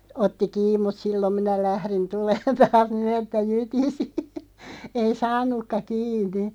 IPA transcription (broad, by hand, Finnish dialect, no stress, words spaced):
otːi kiːm̆ mut silːom minæ læhrin tuleːn tɑːs niːn etːæ jytisi ei sɑːnˑukːɑ kiːnˑi